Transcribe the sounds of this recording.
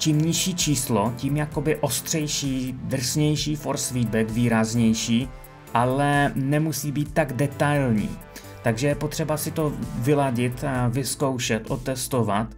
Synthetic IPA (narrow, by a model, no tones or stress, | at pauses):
t͡ʃiːmɲɪʃiːt͡ʃiːslo̞ciːmjako̞bɪʔo̞st̪r̥ɛjʃiːd̪r̩sɲɛjʃiːfoɾsfiːd̪̚bɛkviːɾazɲɛjʃiː | ʔalɛnɛmusiːbiːt̪ːaɡdɛt̪ajlɲḭː | t̪aɡʒɛjɛpo̞t̪r̥ɛbasɪt̪o̞vɪlaɟɪt̪vɪsko̞wʃɛt̪ʔot̪ɛst̪o̞vat̪